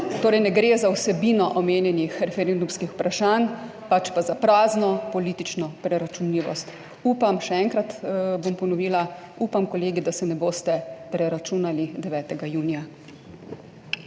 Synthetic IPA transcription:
t̪oːɾɛjnɛɡɾeːzawsɛbiːnɔʔɔmeːnjɛnixɾɛfɛɾend̪umskixu̥pɾʔaʃanpat͡ʃpazapɾaːznɔpɔliːt̪it͡ʃnɔpɾɛɾat͡ʃunliːʋɔ̰st̪ | uːpamʃɛɛŋkɾat̪bompɔnɔʋiːla | upamkɔleːɡid̪asɛnɛboːst̪ɛpɾɛɾat͡ʃuːnalid̪ɛʋɛːt̪ɛɡajuːnija

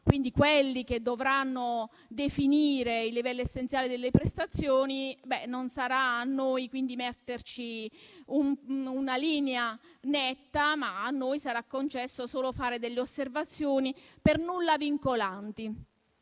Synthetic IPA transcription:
kwind̪ikwelːiked̪ːovɾanːo | d̪efiniːɾeilːivɛlːoesːent̪sjaːled̪elːepɾest̪at̪sːjoːnibɛnonsaɾaːnːojkwind̪imɛt̪ːert͡ʃiumunaliːneanɛt̪ːamaːnːoːjsaɾakːont͡ʃɛsːosoːlofaːɾed̪elːeosːervat̪sːjoːnipernulːaviŋkolant̪i

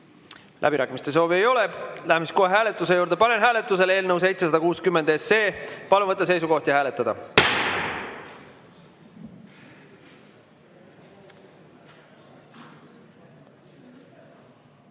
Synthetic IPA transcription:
lʔæ̰biɾæːkːˑimist̪e̞so̞ːvie̞jo̞le̞læhæmiskoɦeɦæːle̞t̪ːˑus̬e̞juːɾd̪̥e̞pɑne̞nɦæːle̞t̪ːˑus̬e̞leːlnɤws̬e̞jt̪se̞sɑd̪ɑkuːskymːe̞nd̪̥e̞se̞ːpɑluvɤt̪ːˑɑs̬e̞jsuko̞ht̪jɑæːle̞t̪ːˑɑd̪ɑ

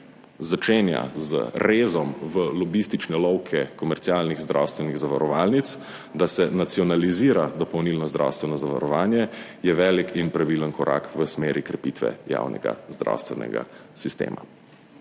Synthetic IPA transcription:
zat͡ʃeːnja̰zə̰ɾeːzɔmʋəlɔbist̪it͡ʃnɛlɔwkʰɛkɔmɛɾt̪sialniɣzd̪ɾa̰wst̪ʋɛniɣzaʋaɾɔʋaːlnit̪s | d̪asɛnat̪siɔnaliziːɾad̪ɔpɔwnilnɔzd̪ɾʔa̰wst̪ʋɛnɔzaʋa̰ɾɔʋaːnjɛjɛʋɛːlikʰinpɾaʋilənkɔɾa̰kʋəsmeːɾikɾɛpit̪ʋɛ̰ja̰ːwnɛ̰ɡa̰zd̪ɾa̰wst̪ʋɛ̰nɛ̰ɡa̰sist̪ḛːmʔa̰

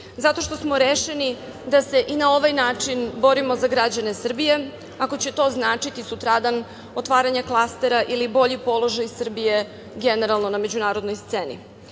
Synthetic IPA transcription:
zat̪o̞ʃt̪o̞smo̞ɾeʃeni | d̪ase̞ʔinao̞ʋajnaːt͡ʂinbo̞ɾimo̞zaɡɾad͡ʑane̞sr̩bije̞ | ako̞t͡ɕe̞t̪o̞znaːt͡ʂit̪isut̪ɾad̪an | o̞t̪ʋaːɾaɲaklˠast̪e̞ɾaʔilibo̞ʎipo̞lˠo̞ʒajsr̩bije̞ | ɡeneɾalˠno̞name̞d͡ʑunaːɾo̞d̪no̞jst̪seːnḭ

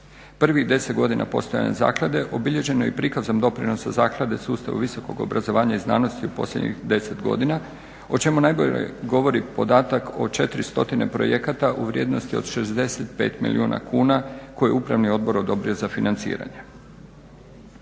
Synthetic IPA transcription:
pr̩ʋid̪e̞set̪ɡo̞d̪ina̰po̞̰st̪o̞ja̰neza̰ːklˠad̪e̞ʔo̞biʎe̞ʒe̞nojipɾikazamd̪o̞pɾino̞sazaːklˠad̪e̞suːst̪a̰ʋṵʋisoko̞̰ɡo̰bɾʔazo̞ʋaːɲaizna̰ːno̞st̪iupo̞slʲed̪ɲḭxd̪e̞se̞t̪ɡo̞̰d̪ina | o̞t͡ʃe̞munajbo̞ʎḛɡo̞ʋo̞ɾipo̞d̪aːt̪ako̞̰t͡ʃe̞t̪ɾist̪o̞t̪ine̞pɾo̞̰jekat̪aʔuʋɾʲje̞ːd̪nost̪io̞d̪ʃe̞zd̪e̞set̪pe̞ːt̪mḭlḭuːna̰kuːnako̞jeupɾa̰ʋnio̞d̪̚bo̞ɾo̞d̪o̞bɾiozafinant̪sḭːɾa̰ɲe

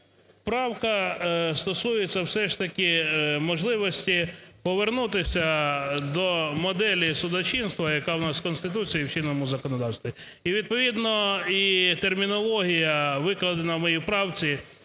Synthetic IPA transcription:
pɾɑwkɐst̪ɔsujet͡sʲːɐwsɛʃt̪ɐkʲɪmɔʒlˠɪʋɔsʲtʲipɔʋernut̪ɪsʲɐd̪ɔmɔd̪ɛlʲisʊd̪ɔt͡ʃinst̪ʋɐjɐkɑwnɑskɔnst̪ɪt̪̬ut͡sʲijiwt͡ʃinːɔmʊzɐkɔnɔd̪ɑwst̪ʋʲi | iʋʲid̪̚pɔʋʲid̪nɔit̪ermʲinɔlˠɔɦʲijɐʋɪklˠɐd̪enɐwmɔjipɾɑwt͡sʲi

